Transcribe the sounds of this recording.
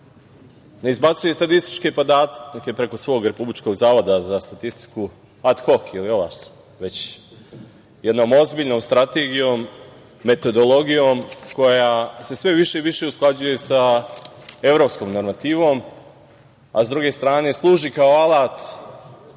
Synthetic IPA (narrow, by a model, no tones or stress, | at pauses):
neizbat̪sujest̪at̪ist̪i̥t͡ʃke̞pod̪aːt̪ke̞pɾe̞ko̞sʋo̞ːɡɾe̞publit͡ʃko̞ɡzaːʋo̞d̪azast̪at̪ist̪i̥ku | at̪xo̞xilio̞ʋa̰ʃ | ʋe̞t͡ɕ | jed̪noːmo̞zbiːʎʲno̞ːmst̪ɾat̪e̞ɡijo̞ːmː | e̞t̪o̞d̪o̞lˠo̞ɡijomko̞jase̞sʋe̞ʋiʃe̞ʋiʃe̞usklˠad͡ʑuje̞sa | e̞ʋɾo̞psko̞ːmnoɾmat̪iːʋo̞ːm | a̰zd̪ɾuɡe̞st̪ɾaːne̞slˠuːʒikaoalaːt̪